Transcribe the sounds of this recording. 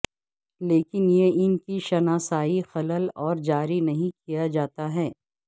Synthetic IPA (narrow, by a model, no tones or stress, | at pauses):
leːkɪnjeɪnkiʃɐnaːsaːixɐləlɔːɾd͡ʒaːɾinɐɦĩkijad͡ʒaːt̪aɦɛː